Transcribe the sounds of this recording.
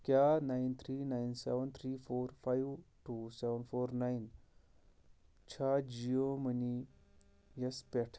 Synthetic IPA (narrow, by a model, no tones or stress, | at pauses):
kjanajnt̪ʰɾiːnajnsɛʋənt̪ʰɾifoɾfajʋʈusɛʋənfoɾnajn | t͡ɕʰad͡ʑioməni | jəspɛʈʰ